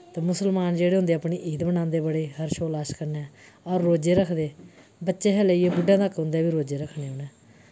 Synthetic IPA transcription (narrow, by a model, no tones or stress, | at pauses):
t̪eːmʊsəlmaːnd͡ʒeːɽeːɦʊ̃nd̪eːapɳiːʔiːd̪bənãːnd̪eːbəɽeːɦəɾʃoːlaːʃkəɾneː | ɔːɾːoːd͡ʒeːɾəkʰd̪eː | bətːʃeːɦɛleiːeːbʊɖːãːt̪əkːɦʊ̃nd̪eɛːʋiːɾoːd͡ʒeːɾəkʰneːoːnɛ̃ː